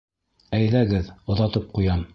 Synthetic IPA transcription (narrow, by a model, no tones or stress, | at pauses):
æjlæɡɘðŏðɑt̪ɤp̚qujɑm